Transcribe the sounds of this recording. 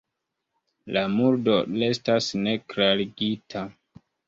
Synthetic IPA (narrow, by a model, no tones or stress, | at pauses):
lamuɾdo̞le̞stasne̞kɾaɾiɡitʰa